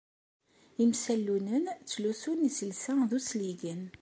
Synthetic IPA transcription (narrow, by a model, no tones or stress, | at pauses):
imsælːunənt͡sːlusunisəlsæðusliɡən